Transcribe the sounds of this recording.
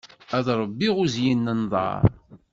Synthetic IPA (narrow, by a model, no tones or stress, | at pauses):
æðˤɾˤəbːiʁʊzjinːənðˤɑ̰ɾˤ